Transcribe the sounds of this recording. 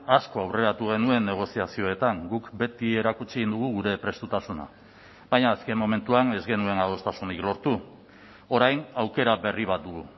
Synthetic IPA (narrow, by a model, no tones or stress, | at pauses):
asko̞awre̞ɾat̪uɣ̞e̞nue̞nːe̞ɣ̞o̞siasio̞e̞t̪aŋɡukbe̞t̪ie̞ɾakut͡ʃiɣind̪uɣ̞uɣ̞uɾe̞pɾe̞st̪ut̪asuna̰ | bajɲaːske̞mːo̞me̞nt̪uane̞zɣe̞nue̞naðo̞st̪asuniklo̞ɾt̪u | o̞ɾajnawke̞ɾaβe̞riβ̞at̪̚d̪uɣu